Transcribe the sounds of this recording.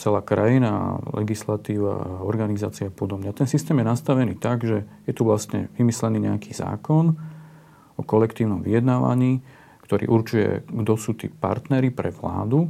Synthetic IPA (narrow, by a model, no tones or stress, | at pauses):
t͡sɛlaːkɾajina̰lʔɛ̰ɡislat̪iːʋa̰ɔɾɡanizaːt͡siapɔd̪ɔmɲat̪ɛnsist̪ɛːmjɛnast̪aʋɛniːt̪aɡʒɛjɛt̪uʋlast̪ɲɛ̰ʋimislɛniːɲɛakʰiːza̰ːkɔn | ʔɔkɔlɛkt̪iːʊnɔmʋijɛd̪naːʋa̰ɲiː | kt̪ɔɾḭːʔuɾt͡ʃujɛ̰ɡd̪ɔsuːt̪ḭːpa̰ɾt̪nɛɾipɾɛʋla̰ːd̪u